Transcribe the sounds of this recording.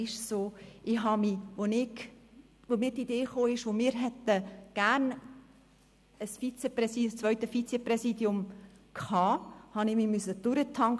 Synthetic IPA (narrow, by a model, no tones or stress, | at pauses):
ɪʃsoːʔɪɦɑmiʋonɪɡ | ʋomiːtideːχoːɪʃʋomɪːɾɦɛt̪əɡ̥æɾn | əsfit͡sɛprɛsist͡sʋœʏtəfit͡sɛpɾɛsiːdjʊmkʰhɑːhɑnɪmiːmysəd̥ʊɾətʰɑŋ